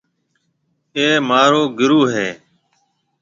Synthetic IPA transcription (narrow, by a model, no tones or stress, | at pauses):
eːmaːɾoːɡɪɾuːɦeː